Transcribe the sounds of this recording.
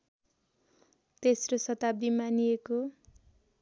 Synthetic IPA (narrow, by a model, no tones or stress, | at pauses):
t̪esrosʌt̪ab̚d̪imanijeko